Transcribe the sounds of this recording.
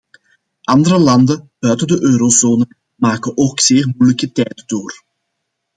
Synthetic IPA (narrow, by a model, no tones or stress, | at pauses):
ʔɑndərəlɑndəb̥œɥtəndəʔøːɾozoːnə | maːkəʔoːkseːrmujləkətɛjdədoːr